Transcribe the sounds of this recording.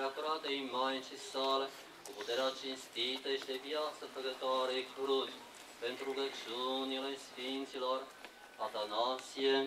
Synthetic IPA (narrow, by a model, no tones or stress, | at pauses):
ɾat̪oɾat̪einmajnʃisale | kuput̪eɾat͡ʃinst̪it̪əeʃt̪eviat̪səpɾəɡət̪oaɾeekkuɾut̪ʲ | pent̪ɾuuɡət͡ʃiunilesfint̪silor | at̪anat̪sie